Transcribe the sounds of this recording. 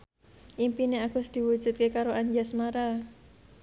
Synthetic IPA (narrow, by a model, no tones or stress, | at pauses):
ʔimpineaɡ̥ʊsd̪̥i̤wu̥ʒ̥ṳt̪̚kekaɾoʔaɲd͡ʒasmaɾa